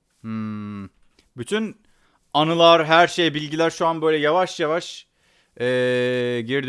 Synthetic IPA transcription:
m̩ː | byt̪ʰyn | anɯlˠaɾɦæɾʃejbilʲɟilʲæɾʃuanbø̞jlʲɛjavaʃjavaʃ | ɛːɟiɾd̪

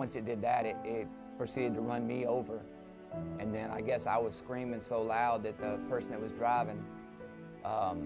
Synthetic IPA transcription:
ʌ̃nsɨt̚d̥ɨd̪̚ðɨɾɪɾɪt̚ | pʰɹ̥ɨsiɾɨd̚tʰəɹʌ̃nmioʊvə˞ | ʔɨ̃nðɨ̃ñaɪɡɛsaɪwʌz̥skɹĩmɪ̃ŋsoʊlaʊd̪̚ðɨt̪̚ðɨpʰɜ˞sn̩ɨt̚wʌzdɹaɪvɪ̃ŋ | ʔʌ̃m

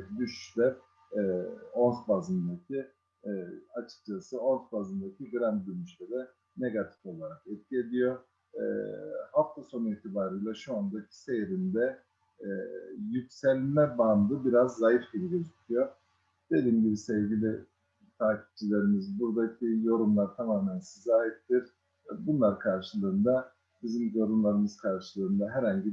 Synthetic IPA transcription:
d̪yʃy̥ʃlɛ | o̞nsbazɯnd̪acʰi | at͡ʃʰɯ̥k̚t͡ʃʰasɯo̞nsbazɯnd̪acʰiɟɾænd̪yɾmyʃlɛd̪ɛ | ne̞ɡat̪ʰi̥fo̞lˠaɾakɛt̪̚cʲied̪ijo | ɛ̰haft̪ʰaso̞nuiːt̪ʰibaːɾɯjlˠaʃuand̪acʰi̥se̞jɾind̪ɛ | jycsɛlʲmɛband̪ɯbiɾazːajifɟilʲiɟøzycʲʰyjoɾ | d̪̥e̞lʲiːmɟibisevɟilʲi | t̪ʰaːcʰi̥p̚d͡ʒilʲe̞ɾimizbuɾd̪acʰijo̞ɾumlˠaɾt̪ʰamaːmænsizaːɦip̚t̪iɾ̥ | bunlˠaɾkʰaɾʃɯlˠɯːnd̪a | bizimjo̞ɾunlˠaɾɯmɯzkʰaɾʃɯlˠɯːnd̪aɦæɾhaɲɟi

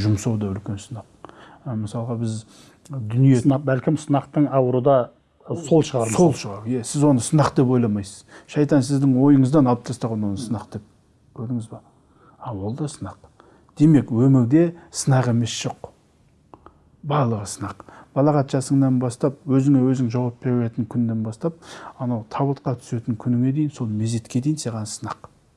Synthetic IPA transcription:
ʒʊmsɑwd̪ɑʏlkʲe̞nsənɑq | məsɑlˠəʁɑbɪz | d̪ʏnijesbælkʲɪmsənɑqt̪əɴɑwəɾəd̪ɑ | sʰo̞lˠʃəʁɑɾo̞lˠʃəʁɑɾjesɪzwo̞nəsənɑqd̪e̞p̬wo̞jlˠɑmɑjsəz̥ʃɑjt̪ɑnsɪzd̪ɪŋwo̞jəɴəzd̪ɑnɑlˠəp̚t̪ʰɑst̪ɑʁɑnwo̞nəsənɑqd̪̥e̞p̚ | kʲʰɵɾd̪ɪŋɪzbɑ | ɑwo̞lˠd̪ɑsənɑq | d̪̥e̞me̞kwɵmɪɾd̪e̞sənɑʁe̞me̞sʒ̥o̞q | bɑɾlˠəʁəsənɑqb̥ɑlˠɑʁɑt̪ʒɑsəɴd̪ɑnbɑst̪ɑp̚wɵzɪŋe̞wɵzɪŋʒɑwɑpbe̞ɾbeet̪ɪŋkʲʰʏnːe̞nbɑst̪ɑp̚ɑnɑwt̪ʰɑbət̪qɑt̪ʰʏ̥se̞t̪ɪŋkʲʰʏnɪŋe̞d̪e̞jɪnso̞lˠme̞ze̞t̪kʲe̞d̪e̞jɪnseʁɑnsənɑq

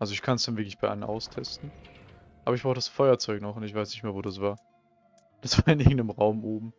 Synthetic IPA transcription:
ʔalzoɪçkʰansd̥anvɪɐklɪçb̥aɪʔa̰lənʔa̰ʊstʰɛstn̩ | ʔaːbɐɪçb̥ʁaʊxtədasfɔʏɐt͡sɔʏknɔχʊntɪçvaɪsnɪçtmeːɐvoːdasv̥aːɐ | d̥asv̥aːɐɪnʔɪɐŋ̩dəmʁaʊmʔoːbm̩

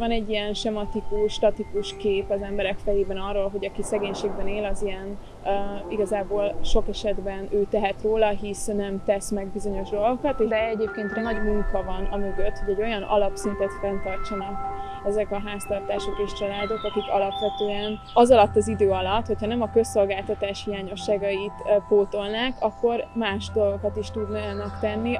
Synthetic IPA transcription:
ɒnɛɟːijɛnʃɛmɒt̪ikuʃʃt̪ɒt̪ikuʃkeːpɒzɛmbɛɾɛkfɛjeːbɛnɒrːoːlɦo̞ɟɒkisɛɡeːɲʃeːɡbɛneːlɒzijɛn | iɡɒzaːboːlʃo̞kɛʃɛd̪bɛnøːt̪ɛɦɛt̪roːlɒɦisnɛmt̪ɛsmɛɡ̚bizo̞ɲo̞ʒd̪o̞lɡokɒt̪ed̪ɛɛɟeːp̚keːnt̪rɛnɒɟmuŋkɒvɒnɒmø̞ɡøt̪ho̞ɟɛɟo̞jɒnʔɒ̰lɒpsint̪ɛt̪fɛnt̪ɒrt͡ʃɛnɛk | ɛzɛkɒɦaːst̪ɒrt̪aːʃo̞keːʃt͡ʃɒlaːd̪o̞kɒkikɒ̰lɒpʋɛt̪øːɛn | ɒzɒlɒt̪ːɒzid̪øːɒlɒt̪ho̞chɒnɛmɒkø̞so̞lɡaːlt̪ɒt̪aːʃhijaːɲo̞ʃːaːɡɒit̪poːt̪o̞lnaːkɒkːo̞rmaːʃd̪o̞lɡo̞kɒt̪iʃt̪ud̪nnɒkt̪ɛnːi

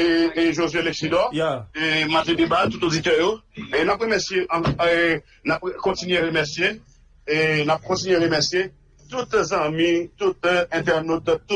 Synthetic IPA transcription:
eʒozɥelɛksid̪ɔemat̪ɛ̃d̪ebat̪ut̪od͡zit̪œjoenapʁemɛʁsjeʔã | napkɔ̃tinɥeʁemɛʁsije | enap̚kɔ̃tinɥeʁemɛʁsje | t̪ut̪zãmĩt̪ut̪ɛ̃t̪ɛʁnot̪ː

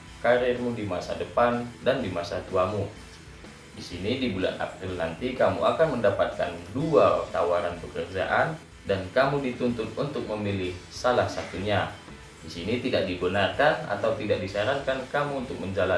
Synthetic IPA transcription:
kaɾiɛrmudimasa̰dəpandandimasat̪uamu | disinidibula̰t̪a̰pɾilnant̪ikamṵakanməndapat̪̚ka̰nduat̪awaɾanpəkərd͡ʒa̰ʔan | dankamudit̪unt̪ʊt̪̚unt̪ʊk̚məmilɪhsalahsat̪uɲa | disinit̪idak̚dibənarkana̰t̪awt̪idak̚disaɾaŋkankamuːnt̪ʊk̚məɲd͡ʒala

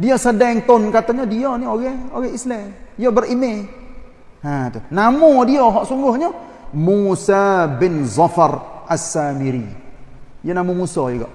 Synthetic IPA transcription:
diasədɛŋt̪onkat̪aɲadiɔnioɡɛoɡɛislɛijobərime | hat̪ʊnamudiɔɦɔʔsuŋɡʊhɲɔ | musabɪnzafarasːamiɾḭ | jənamumusɔjiɡɔ̰ʔ

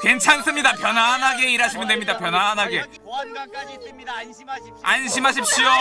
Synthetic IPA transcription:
ke̞nt͡ɕʰans͈ɯmɲidapjʌnanɦaɡe̞iɾɦaɕʰimɯndwemɲidapjʌnanɦaɡe̞ | anɕ̬ʰimɦaɕ̬ʰip̚ɕ͈io

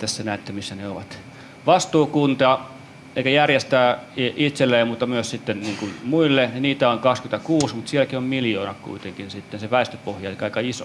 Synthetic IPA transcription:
t̪æsːænæˑːt̪ːæmisːæneoʋɑt̪ | ʋɑst̪uːkunt̪ɑ | eikæjærjest̪æːit̪selːeːmmut̪ːɑmyøssit̪ːenniːŋkunmuilːeniniːt̪æoŋkɑkskynt̪ækuːsmut̪siælkiommiljoːnɑkkṵit̪eŋkinsit̪ːenseʋæˑist̪øpohjɑlikɑikɑiso̰

